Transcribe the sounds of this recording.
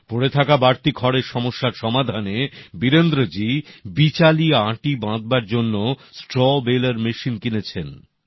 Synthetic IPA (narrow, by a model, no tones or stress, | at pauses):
poɽet̪ʰakabaɾt̪ikʰɔɽeɾʃɔmoʃːaɾʃɔmad̪ʱanebiɾend̪ɾod͡ʑibit͡ɕaliaʈibãd̪̚baɾd͡ʑonːosʈɾɔbelaɾmeʃinkinet͡ɕʰen